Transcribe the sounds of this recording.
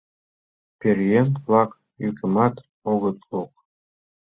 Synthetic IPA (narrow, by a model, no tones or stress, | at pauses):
pʲeɾjenvlˠɑk | jykʲɘ̆mɑt̪ | oɣɤ̆t̪lok̚